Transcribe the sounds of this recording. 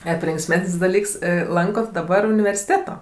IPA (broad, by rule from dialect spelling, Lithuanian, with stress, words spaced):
ˈɑːpʲɪ lʲɪŋksʲˈmʲɛsʲnʲsʲ dɐˈlʲiːks ˈlˠɐŋkoːt dɐˈbɐr ʊnʲɪʋʲɛrʲsʲɪˈtʲeːtoː